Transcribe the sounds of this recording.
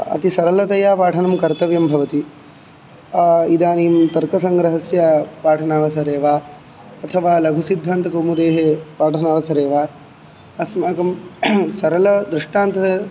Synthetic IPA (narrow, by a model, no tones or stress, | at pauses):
ɐ̰t̪isɐɾɐlɐt̪ɐjaːpaːʈʰɐnɐmkɐɾt̪ɐʋjɐmbʱɐʋɐt̪i | id̪aːnijmt̪ɐɾkɐsɐŋɡɾɐɦɐsjapaːʈʰɐnaːʋɐsɐɾeːʋaː | ɐt̪ʰɐʋaːlɐɡʱusid̪ʱːaːnt̪ɐkoːmud̪eːɦepaːʈʰɐnaːʋɐsɐɾeːʋaː | ɐsmaːkɐmsɐɾɐlɐd̪ɾuʂʈaːnt̪ɐɐ